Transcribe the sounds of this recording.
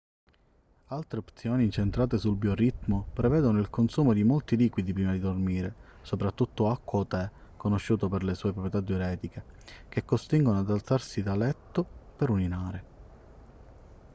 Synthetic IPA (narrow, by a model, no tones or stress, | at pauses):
alt̪ɾeopt̪sjoːnint͡ʃent̪ɾaːt̪esulbjorit̪mopɾevɛːd̪onoilkonsuːmod̪imolt̪iliːkwid̪ipɾiːmad̪id̪ormiːɾe | sopɾat̪ːut̪ːoakːwat̪ɛkonoʃːuːt̪opeɾlesuːepɾopɾjɛt̪ad̪joɾɛːt̪ikek̟ekːost̪iŋɡonoad̪alt̪sarsid̪alɛt̪ːopeɾuninaːɾe